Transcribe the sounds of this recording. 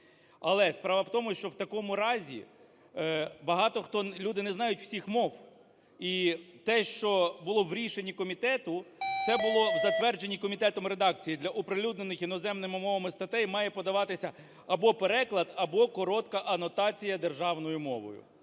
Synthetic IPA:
ɐlˠɛspɾɑʋɐwt̪ɔmʊʃt͡ʃɔwt̪ɐkɔmʊɾɑzʲḭ | bɐɦɑt̪ɔxt̪ɔlʲud̪ɪnɛznɑjʊtʲw̥sʲixmɔw | it̪ɛʃt͡ʃɔbʊlˠɔʋɾʲiʃenʲːikɔmʲit̪ɛt̪ʊt̪sɛbʊlˠɔwzɐt̪ʋɛrd͡ʒenʲːikɔmʲit̪ɛt̪ɔmɾe̞d̪ɑk̚t͡sʲijid̪lʲɐʔɔpɾelʲud̪nenɪxjinɔzɛmnɪmɪmɔʋɐmɪst̪ɐt̪ɛjmɑjɛpɔd̪ɐʋɑt̪ɪsʲɐ | ɐbɔpeɾɛklˠɐd̪ɐbɔkɔɾɔt̪kɐʔɐnɔt̪ɑt͡sʲijɐd̪erʒɑwnɔjʊmɔʋɔ̰jʊ̰

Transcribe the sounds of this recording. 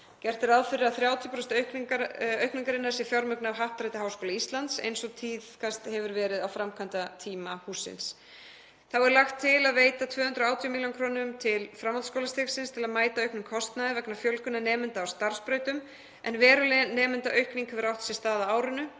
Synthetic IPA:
cɛr̥t̪ɪɾaðfɪɾɪaθɾjaːwt̪ʰjʏpɾɔst̪œk̪œɥkniŋkaɾɪnːaɾ̥sjɛfjɔɾmʏknavɦahp̚t̪ɾajt̪aɦawskowlaist̪lant̪sḛjnsɔt̪ʰiðkʰast̪hɛvʏɾvɛːɾɪðawfɾamkʰant̪at̪ʰiːmahuːsɪ̰ns | θawɛɾlaxt̪ʰːɪlaðveːjt̪at̪ʰvœːhʏnt̪ɾaːwt̪ʰjɔmiljɔnkʰɾoːnʏmt̪ʰɪlfɾamːat̪skowlast̪ɛksɪnst̪ʰɪlaðmaːjt̪aœɥknʏmkʰɔst̪naðvɛknafjœlkʏnːanɛːmɪnt̪aːwst̪aɾ̥spɾœːɥt̪ʏm | ɛnvɛːɾʏlɛnɛːmɪnt̪aʔœɥhkniŋkʰɛvʏɾawht̪sjɛst̪aːðaaːwɾʏnʏ

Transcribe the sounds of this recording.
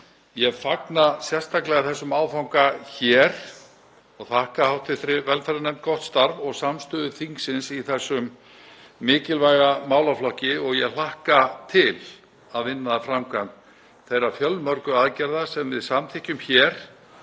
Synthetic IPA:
jɛɣfaknasjɛr̥st̪ʰaklɛɣaθɛsːʏmaːwðfawŋkaçɛːɾ̥ | ɔɣθahkahawht̪ʰɪθɾɪvɛlfaɾanɛmt̪̚kɔht̪st̪aɾvɔɣsamst̪ʏːðʏθiŋksɪnsiθɛsːʏmː | ɪːcɪlvajɣamaːwlaflɔhcɪɔɣjɛɣl̥ahkat̪ʰɪl | aðvɪnːaðafɾamkʰamn | θejrːafjœlmœɾkʏaðcɛɾðasɛmvɪðsamt̪ʰɪhcʏmçɛɾ̥

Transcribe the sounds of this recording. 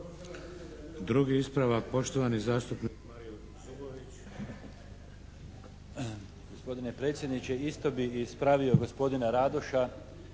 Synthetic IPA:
d̪ɾuɡiispɾaʋak̚po̞ʃt̪oʋanizaːst̪upnikmaɾiju | zuboʋit͡ɕ | ɡo̞spo̞d̪ine̞pɾe̞t̪sjed̪nit͡ɕe̞ist̪o̞biispɾaʋio̞ɡo̞spo̞d̪inaɾaːd̪oʃa

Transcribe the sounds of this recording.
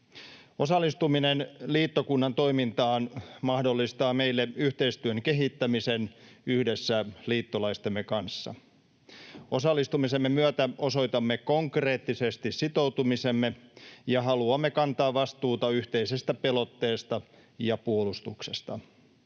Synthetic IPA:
osɑlːˑist̪uminenliːt̪ːokunːɑnt̪o̞jmint̪ɑːnmɑhdo̞lːist̪ɑːme̞jlːeyht̪e̞ist̪yøŋke̞ɦit̪ːæmise̞nyhde̞sːæliːt̪ːolɑist̪emːekɑnsːɑ̰ | o̞sɑlːist̪umise̞mːemyøt̪æo̞so̞jt̪ɑmːeko̞ŋkre̞ːt̪ːise̞st̪issit̪o̞ut̪umisemːejɑɦɑluɑmːekɑnt̪ɑːʋʋɑst̪uːt̪ɑyht̪e̞ise̞st̪æpelot̪ːe̞ːst̪ɑ | jɑpuolust̪ukse̞st̪ɑ

